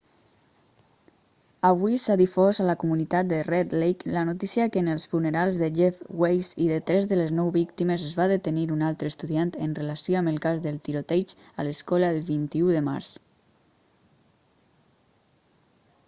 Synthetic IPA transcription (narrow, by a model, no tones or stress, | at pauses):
aβuisaðifɔzalakumunit̪at̪̚d̪ərɛd̪lejklanut̪isiəkəːnəlˠsfunəɾalˠzðəʒɛfwejziðət̪ɾɛzðələznɔwβikt̪iməzəzβaðət̪əniɾunalˠt̪ɾəst̪uðiant̪ənrelasioaməlˠkazðəlˠt̪iɾot̪ɛt͡ʃ | aləskɔləelˠβint̪iuðəma̰ɾs